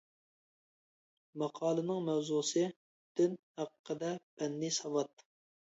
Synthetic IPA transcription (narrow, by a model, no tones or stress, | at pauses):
mɑqʰɑːlˠɨnɨŋmɛwzusɨ | d̪̥ynhæqʰqːəd̪ɛpʰɛnːɪsɑwɑt̪̚